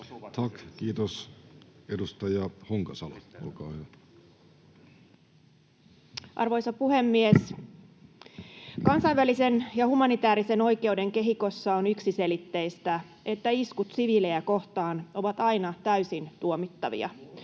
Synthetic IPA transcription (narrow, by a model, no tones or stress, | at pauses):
t̪ʰɑkkiːt̪os | edust̪ɑjɑhoŋkɑsɑlɑ̰o̰lkɑːhyæ | ʔɑ̰rʋo̞jsɑpuhe̞mːies | kɑnsɑiʋælise̞njɑhumɑnit̪æːɾise̞no̞jke̞ude̞ŋke̞ɦiko̞sːɑonyksise̞lit̪ːe̞ist̪æ | e̞t̪ːæiskut̪siʋileæko̞ht̪ɑːno̞ʋɑt̪ɑinɑt̪æysint̪uomit̪ːɑʋḭɑ̰